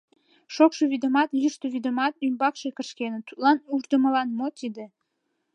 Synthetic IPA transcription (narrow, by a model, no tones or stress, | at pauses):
ʃokʃeβid̪omɑt̪jyʃt̪oβid̪omɑt̪ymbɑkʃekəʃkenət̪u̥t̪lɑnuʒd̪əməlɑnmot̪id̪e